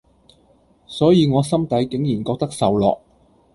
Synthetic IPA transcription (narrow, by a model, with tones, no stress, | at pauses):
sɔː˨˥jiː˨˧ŋɔː˨˧sɐ˥mt̪ɐ˨˥jkɪ˨˥ŋjiː˨˩nkɔː˧k̚t̪ɐ˥k̚sɐ˨wlɔ̰ː˨k̚